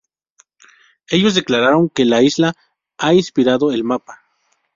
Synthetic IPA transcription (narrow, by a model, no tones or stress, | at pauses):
e̞ʝo̞zðeklaɾaɾo̞ŋke̞laizla | ainspiɾaðo̞e̞lmapa